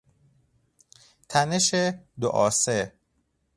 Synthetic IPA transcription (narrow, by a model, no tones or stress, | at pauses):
t̪ʰæneʃed̪oʔɒːse